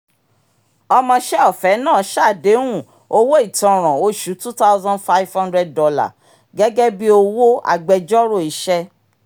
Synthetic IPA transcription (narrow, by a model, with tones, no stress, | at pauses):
ɔ˧mɔ̃˧ʃɛ˦ɔ˦˨fɛ˨˦nãː˦˨˦ʃa˦˨de˨˦wũ˦˨ | o˧wo˦i˦˨tɔ̃˨ɾ̃ã˨o˦ʃu˨˦tu˦ta˦ʊ˦zã˦nfa˦jvhã˦ndɾɛ˧d̚dɔ˧la̰˦˨ | ɡɛ˦ɡɛ˦bi˦o˧wo˦a̰˧ɡ͡bɛ˧d͡ʒɔ˦ɾo˦˨i˨˧˦ʃɛ˦